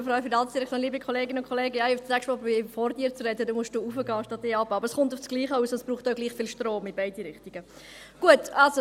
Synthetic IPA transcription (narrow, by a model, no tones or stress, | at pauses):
fɾɔfiɾdɑnsd̥iɾɛkχtjoːnliːbikʰχɔleːɡɪnʊnkχɔleːɡəaɪʊfækʃpɔbifɔɾdiːɾt͡sɾɛdədumʊsʃd̥uːuːfəɡɑːʃtɑt̚diːɑbəɑbəɾsχʊntʊfsɡ̥liːχəuːsɔsb̥ɾuːχtoʊɡliːχfiːlʃtroːmɪbaɪdiɾɪχtiɡ̥ə | ɡ̥uətɑlso